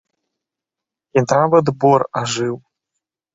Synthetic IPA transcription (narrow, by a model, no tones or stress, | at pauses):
int̪ɾavɐd̪bɔɾaʐɨw